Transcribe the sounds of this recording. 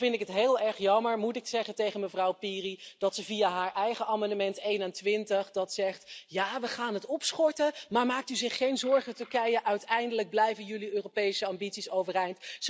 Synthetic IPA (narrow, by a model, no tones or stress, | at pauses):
vɪntɪkətɦeːlˠɛɹχjɑməɹmutɪksɛχəntejχənməvrɑwpiːrid̥ɑtsəvijaɦaːɹʔɛjχəʔaːmɑndəmɛntejnəntʋɪntəχdɑtsɛχtjaːʋəχaːnɦətɔpsχɔɹtəmaːɹmaːk̚tyzɪχːejnzɔɹχətɵɹkɛjəʔœɥtɛjndələɡ̚blɛjvənjɵliøːropejsəɑmbitsisowvərɛjnts